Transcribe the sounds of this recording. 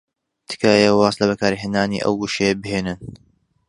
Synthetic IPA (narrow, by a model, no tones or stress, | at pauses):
t̪ʰɨ̥kaːjɐwɑːslɐβɐkaːɾiɦeːnd̪aːnḭʔɐ̰wɡuʃejbɨɦeːnɨn